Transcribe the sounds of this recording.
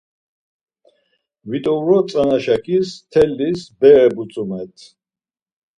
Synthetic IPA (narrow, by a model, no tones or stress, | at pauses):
vit̪ʼɔɾɔt̪sʼanaʃakʰist̪ʰɛlːisbɛɛbusʼumɛt̪ʰ